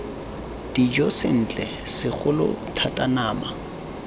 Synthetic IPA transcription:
d̥id͡ʒɔsɪ̰n̩t͡ɬʼɛsɪχʊlʊ̰tʰatʼanaːma

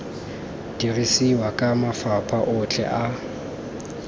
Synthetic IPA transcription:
d̥irisiwakʼamafapʼʰaʔʊt͡ɬʰʼɛ̰ʔa

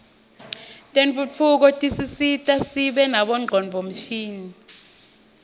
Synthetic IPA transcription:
tʼent͡fʼuuk̬ɔtʼisisitʼasiɓɛnaɓɔŋ͡ǃʱɔnbʱom̩ʃiːni

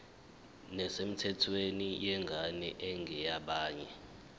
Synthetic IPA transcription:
nɛsem̩tʰɛtʰwenijɛŋɡʱanɛ̰ʔɛŋɡʱɛjaɓaːɲɛ

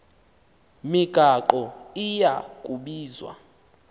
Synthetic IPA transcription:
miɡ̥ʱaǃɔijakʼuɓiːzwa̰

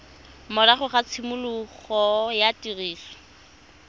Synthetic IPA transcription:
mɔlaχʊχat͡sʰɪmʊlʊχɔjatiriːsɔ̥

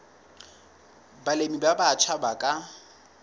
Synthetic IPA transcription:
balemibabat͡ʃʰabakʼa

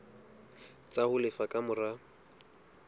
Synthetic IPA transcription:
t͡sʼahʊlɪfakʼamʊra

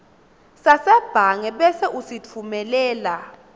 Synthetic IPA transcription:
sasɛb̥ʱaŋɛɓɛsɛʔusit͡fʰumɛlɛːla

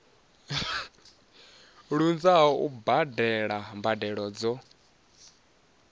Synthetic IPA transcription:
ɺund͡zaɦɔubadɛɺambadɛɺɔd͡zɔ

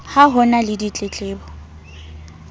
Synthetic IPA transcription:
haɦɔnalɪdit͡ɬʼet͡ɬʼeːbɔ

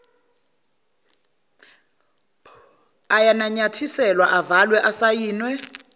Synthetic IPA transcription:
ajanaɲatʰisɛlwaʔavalwɛʔasajiːnwɛ

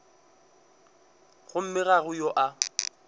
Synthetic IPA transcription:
ɣʊm̩mɪɣaɣʊjɔʔa

